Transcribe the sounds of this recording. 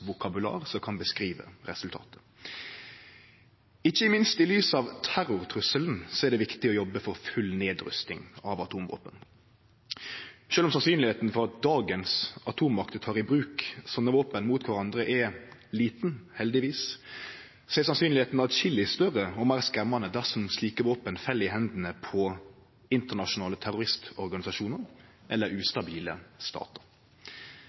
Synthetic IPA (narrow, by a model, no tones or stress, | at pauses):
ʋʊkʰɑbʉlɑ̰ːʁsɔkʰɑnbəskɾiːʋə̰ʁɛsʉlt̪ʰɑ̰ːt̪ə̥ | ɪçːəɪmɪnst̪ɪlyːsɑʋt̪ʰæɾʊɾt̪ʰɾʉsəln̩sɔɛɾd̪ɛʋɪkt̪ɪɔjɔbːəfɔɾfʉlneːd̪ɾʉ̰st̪ɪ̰ŋɑʋɑt̪ʰuːmʋo̰ːpən | ʃøːlɔmsɑnsyːnlɪheːt̪n̩fɔɾɑt̪̚d̪ɑːɡənsɑt̪ʰuːmɑkt̪ət̪ʰɑːʁɪbɾʉːksɔnːəʋoːpənmuːt̪kʰʊʁɑnd̪ɾəʔɛliːt̪n̩hɛld̪ɪʋiːs | sɛsɑnsyːnlɪeːt̪n̩ɑt̪çɪlːɪst̪œʁəɔmæːʁskɛmːɑnəd̪æʁsɔmsliːkəʋoːpənfɛlɪɦɛnd̪n̩əpʰɔ | ɪnt̪əʁnɑʃʊnɑːlət̪ʰæʁʊɾʁɪst̪ɔɾɡɑnɪsɑʃuːnəɾʔɛlːəɾʉːst̪ɑbiːləst̪ɑ̰ːt̪əɾ